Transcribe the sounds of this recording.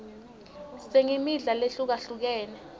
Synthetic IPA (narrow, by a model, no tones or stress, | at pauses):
seŋimiɮaleɬuk̬aɬuk̬ɛːnɛ